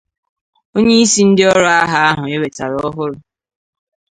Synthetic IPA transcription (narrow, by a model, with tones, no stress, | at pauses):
o˦ɲe˦i˦si˦n̩˦dɪ˦ɔ˦ɾɔ˦a˦ɦa˦a˦ɦʊ˨e˦we˨ta̰˨ɾɔ˦ɦʊ˦ɾʊ˨